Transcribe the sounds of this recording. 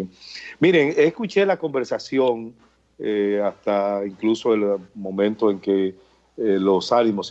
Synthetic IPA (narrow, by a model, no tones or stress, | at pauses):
miɾe̞ŋeːskut͡ʃe̞lako̞mbe̞ɾsasjo̞ŋ | east̪aiŋkluso̞elmõ̞mẽ̞nt̪oe̞ŋke̞ | lo̞sanimos